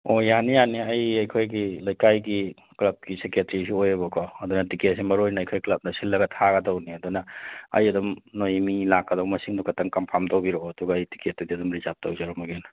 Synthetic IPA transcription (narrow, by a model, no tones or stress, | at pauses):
ojanijaniɐjɐjkʰojɡilɐjkajɡi | klɐb̚kiseketɾisiojɐβɐkʰɔɐdunɐtiket̚simɐɾojnɐːjkʰojklɐp̚dɐsilːɐɡɐtʰaɡɐdɔwniɐdunɐɐ̰jɐdumnojmilakːɐdɔwmɐsiŋdukʰɐtɐŋkɐmpʰamdowbiɾoɐduɡɐːjti̥ket̚tudiɐdumɾizab̚towzɐɾɔmɐɡen